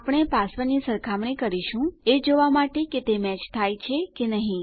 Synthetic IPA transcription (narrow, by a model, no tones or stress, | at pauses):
apɽ̃ɳ̃epasʋənisəɾkʰamɳikəɾiʃũed͡ʒoʋamaʈeket̪emɛt͡ʃt̪ʰajt͡ʃʰekenəɦĩ